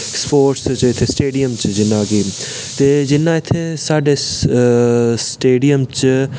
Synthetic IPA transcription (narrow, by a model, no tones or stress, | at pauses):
spoːɾʈst͡ʃɪt̪ʰːeːsʈeːɖijəmt͡ʃd͡ʒɪnːãːɡiː | t̪eːd͡ʒɪnːãːɪt̪ʰːesaːɖeːs | sʈeːɖijəmt͡ʃ